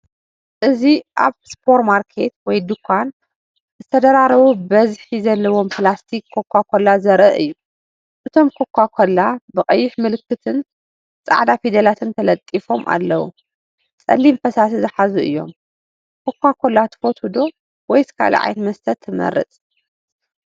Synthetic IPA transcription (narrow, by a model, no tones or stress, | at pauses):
ʔɨziʔa̰βspʰo̞ɾmaɾkʰe̞t̪wɔjd̪ukʰʷːan | zɨt̪ʰɐd̪ɐɾaɾɐβubɐzħizɐlːɐwo̞mplast̪ʰikʰːokʷːakʷʰolːazɐɾʔɨʔɨ̰jːu | ʔɨt̪ʰo̞mkʰokʰʷːakʰolːabɨqʼɐjːɪħmɨlɨkːɨt̪ʰɨn | t͡sʼa̰ʕd̪afid̪ɐlat̪ʰɨnt̪ʰɐlɐt̪ʼifo̞mʔa̰lːɐwṵ | t͡sʼɐ̰lːimfɐsasizɨħazuʔɨ̰jːo̞̰m | kʰokʷːakʰolːat̪ʰɨ̥fo̞t̪hud̪o̞ | wɔjsɨ̥kʰa̰l̰ʕa̰jɛt̪mɐst̪ʰɐt̪ʰːɨmɐ̰ɾːɨ̰t͡sʼ